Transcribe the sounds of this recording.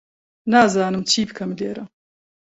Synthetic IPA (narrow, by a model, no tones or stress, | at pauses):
naːzaːnɨmt͡ʃʰiːbɨkʰɐmleːɾɐ